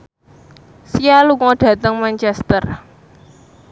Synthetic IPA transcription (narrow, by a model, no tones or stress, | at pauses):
sijaluŋɔɖ̥ä̤t̪əŋmant͡ʃɛst̪ər